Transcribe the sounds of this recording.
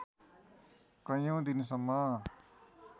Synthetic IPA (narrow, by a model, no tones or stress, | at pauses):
kʌ̃jow̃d̪ins̬ʌmːʌ